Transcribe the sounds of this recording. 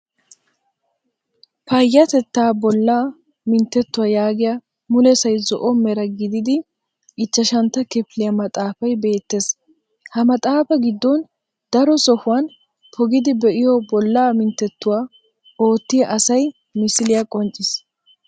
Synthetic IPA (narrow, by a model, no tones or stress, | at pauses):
pɐjːɐt̪ɛt̪ːaːbɔlːaː | mɪnt̪ːɛt̪ːʊwaːjaːɡɪja | mʊlɛsɐjzɔʔɔmɛɾɐɡɪd̪ɪd̪ɪ | ɪt͡ʃːɐʃɐnt̪ːɐkɪflɪjɐmɐt̪ʼaːfɐjbe̞ːt̪ːe̞ːs | hɐmɐt̪ʼaːfɐɡɪd̪ːɔn | d̪̥ɐɾɔsɔhʊwɐn | pʰɔɡɪd̪ɪbɛʔɪjɔbɔlːaːmɪnt̪ːɛt̪ːʊwaː | o̞ːt̪ːɪjɐʔɐsɐj | mɪsɪlɪjɐkʼɔnt͡ʃʼːɪs